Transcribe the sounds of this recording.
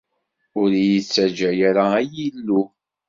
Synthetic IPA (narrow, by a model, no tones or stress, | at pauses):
ʊɾjit͡sːæd͡ʒæjaɾaæjilːu